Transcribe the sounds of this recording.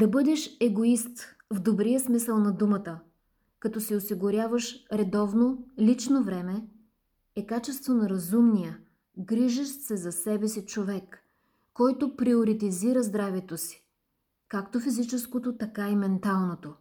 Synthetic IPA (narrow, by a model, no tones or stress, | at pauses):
d̪ɐbɤd̪ɛʃɛɡoist̪ | vd̪obɾijəsmisəlˠnɐd̪umət̪ə | kɐt̪ɔsiosiɡʊɾʲjavəʃɾɛd̪ɔvnolit͡ʃnovɾɛmɛ | ɛkat͡ʃɛst̪vonɐɾɐzumnijə | ɡɾiʒɛʃt̪sɛzɐsɛbɛsit͡ʃovɛkː | ɔjt̪opɾioɾit̪iziɾəzd̪ɾavɛt̪osi̥ | kakt̪ofizit͡ʃɛskot̪ot̪ɐkaimɛnt̪alˠnot̪o